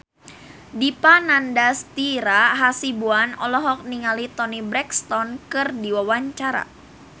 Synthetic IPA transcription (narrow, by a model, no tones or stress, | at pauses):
dipanandast̪iɾaɦasibuanɔ̰lɔɦɔk̚niŋalit̪ɔnibɾɛkst̪ɔnkɨrdiwawaɲt͡ʃaɾa̰